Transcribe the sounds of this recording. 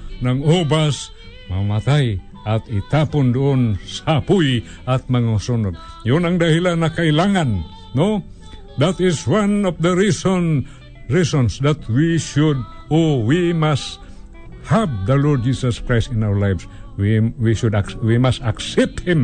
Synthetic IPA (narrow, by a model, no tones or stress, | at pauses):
nɐŋobas | mɐmat̪aj | ʔat̪ɪt̪apʊnd̪ʊʔonsapuj | at̪̚mɐŋasunoɡ̚ | jʊnaŋd̪ahilanɐkailaŋanː | o | d̪at̪ɪswanɔfd̪əɾison | ɹisɔnsd̪at̪wiʃʊd̪̚ | owimast̪ | hab̚d̪ɐlɔɹd̚d͡ʒisaskɹajst̪ɪnawəlajvswwiʃʊd̪awimast̪aksɛp̚t̪̚hɪ̃m